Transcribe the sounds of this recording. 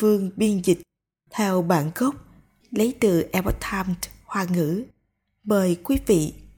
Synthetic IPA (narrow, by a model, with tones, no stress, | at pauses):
fɨ˧əŋɓi˧ənzï˨˩k̟̚ | t̪ʰɛ˧wɓaː˧˩nɣə˦˥wk͡p̚ | lə˨˦jt̪ɨ˧˨˩ʔɛ˧bɔ˦˥t̪̚ʰaː˧mthwaː˨˩ŋɨ̰˧˥ | məː˨˩jkwi˨˦vḭ˧˨